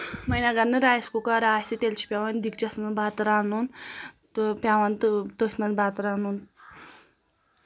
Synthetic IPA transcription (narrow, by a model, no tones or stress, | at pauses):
mɐjnaɡɐnːɨɾaːskukaɾaːsit̪elt͡ʃʰi̥pʲjawand̪ikt͡ʃɐsmɐnbaːt̪ɨɾaːnunt̪pjawant̪t̪ost̪mɐnbat̪ɾaːnun